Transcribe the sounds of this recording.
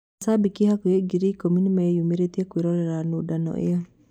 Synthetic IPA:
sabikihakueɡiɾikominimaejumeɾet̪iakweɾɔɾɛɾanodanɔ̰ʔḛɔ

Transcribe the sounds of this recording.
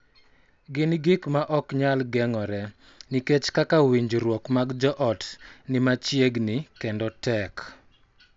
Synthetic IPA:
ɡɪnɡikmaʔɔkɲalɡɛŋɔɾɛ | niket͡ʃkakawiɲd͡ʒɾwɔkmaɡd͡ʒɔʔɔtnɪmat͡ʃjeɡnɪkendɔtɛk

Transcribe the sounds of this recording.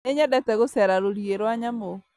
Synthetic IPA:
eɲɛdɛtɛɣosɛɾaɾoɾieɾwaɲamo

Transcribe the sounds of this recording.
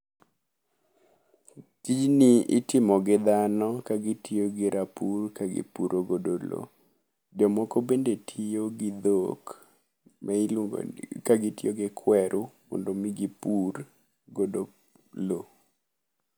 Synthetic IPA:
tid͡ʒniɪ̰tɪmɔɡɪd̪anɔkaɡɪtʰioɡɪɾʔapurkaɡɪ̰puɾoɡodolo̰ | d͡ʒɔmɔkobendetʰioɡɪd̪ok | mɛ̰ | kaɡɪtioɡɪkʰwɛɾʔumɔ̰ndomiɡipur | ɡodo | lo

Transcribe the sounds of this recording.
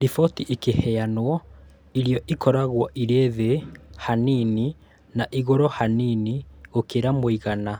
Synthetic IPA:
ɾifɔtiʔikehɛanwɔ | iɾjɔʔikɔɾaɣwɔʔiɾeðehanini | naʔiɣoɾɔhaniniokeɾamoiɣana

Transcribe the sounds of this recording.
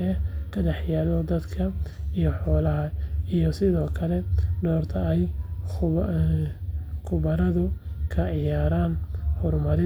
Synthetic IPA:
ɛkʰɐdɑħjaːlɔd̪ɐd̪kʰɐijɔħɔːlɐɦɐijɔsɪðɔːkʰɐlɛɖɔːrt̪ʰɐɛj | kʰʊβɐɾɐðʊkʰɐʕɪjaːɾaːnhʊrmɐɾɪ

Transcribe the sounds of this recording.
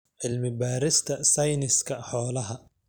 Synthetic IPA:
ʕɪlmɪbaːɾɪst̪ʰɐsɐjnɪskʰɐħɔːlɐɦɐ

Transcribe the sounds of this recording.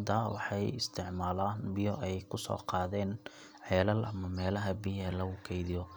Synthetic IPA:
d̪ɐwɑ̰ħɑjɪ̰st̪ʰɪʕmaːlaːnbɪjɔʔɛjkʰʊsɔ̰ːqɑːðɛːn | ʕɛːlɐlʔɐmɐmɛːlɐɦɐbɪjɛlɐɣʊkʰɛjðɪjɔ

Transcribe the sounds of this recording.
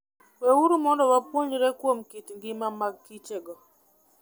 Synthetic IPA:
wewuɾumɔndɔwapwoɲɾɛkwomkitŋɡɪmamakːit͡ʃeɡɔ

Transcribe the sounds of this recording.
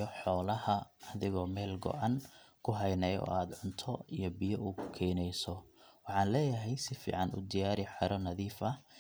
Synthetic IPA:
ɔħɔːlɐhɐɐðɪɣɔːmɛːlɡɔ̰ʔɑnkʰʊɦɐjnɛjɔ̰ːaːd̪ʕʊnt̪ʰɔijɔbɪjɔʔuːʊkʰɛːnɛjsɔwɑħɑːnlɛːjɐɦɛjsɪfḭːʕɑnʊ̰d̪ijaːɾɪħɑɾɔnɐðiːfɐ

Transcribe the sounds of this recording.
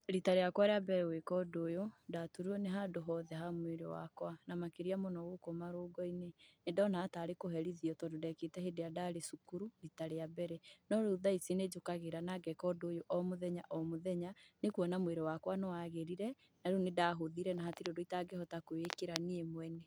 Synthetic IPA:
ɾitaɾejakwaɾeabɛɾɛwekɔdojodatuɾuɔneɦadoɦɔðɛɦamweɾḛwa̰kwanamakeɾiamonɔɣokomaɾoːɡɔinenedɔnaːtaɾekoɦɛɾiðiɔtɔdodɛketɛhedejadaɾesukuɾuɾitaɾejabɛɾɛnɔɾoðaisined͡ʒokaɣeɾanaɡɛkɔdojoʔɔmoðɛɲaʔɔmoðɛɲanekuɔnamweɾewakwanɔwaɣeɾiɾɛ | naɾeonedaɦoðiɾɛnaɦatiɾodoitaɡehɔtakoekeɾaniemwɛnɛ

